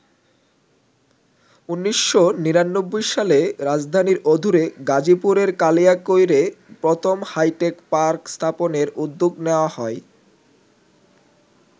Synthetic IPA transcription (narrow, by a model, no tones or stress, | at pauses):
unːiʃːoniɾanːobːojʃaleɾad͡ʑd̪ʱaniɾod̪ʱuɾeɡad͡ʑipuɾeɾkalijakojɾepɾot̪ʰomhajʈekpaɾkst̪ʰaponeɾud̪ːoɡneoahɔe